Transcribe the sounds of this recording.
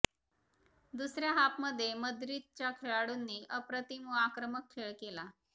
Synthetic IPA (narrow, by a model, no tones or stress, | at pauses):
d̪usɾjaɦapməd̪ʱːjeməd̪ɾit̪̚t͡ɕjakʰeɭaɽuːnːiːʔəpɾət̪imuakɾəməkʰːeɭkela